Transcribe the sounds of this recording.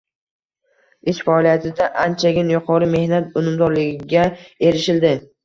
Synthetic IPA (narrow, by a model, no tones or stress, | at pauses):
ɪʃfaɒlijat̪ʰɪd̪aʔant͡ʃʰaɡʲɪnjʊqʰɒɾɪme̞hnat̪ʊnɪmd̪ɒɾlɪɡʲɪɡʲae̞ɾɪʃɪld̪ɪ